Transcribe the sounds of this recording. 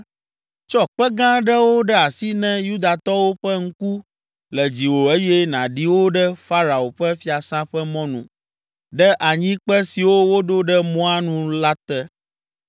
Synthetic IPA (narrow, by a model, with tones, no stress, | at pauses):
t͡ʃɔ˦k͡pɛ˦ɡã˦ɖɛ˦wo˦ɖɛ˦a˨si˦nɛ̃˦ju˦d̪a˨t̪ɔ˦wo˦ɸɛ˦ŋ̩˦ku˦ | lɛ˨d͡ʑi˨wo˨e˦jɛ˦nã˨ɖi˦wo˦ɖɛ˦fa˦ɾa˨o˨ɸɛ˦fi˦a˨sã˦ɸɛ˦mɔ̃˦nṵ̃˨ | ɖɛ˦ʔa˨ɲĩ˦k͡pɛ˦si˨wo˦wo˦ɖo˦ɖɛ˦mɔ̃˦a˦nũ˦la˦t̪ɛ˦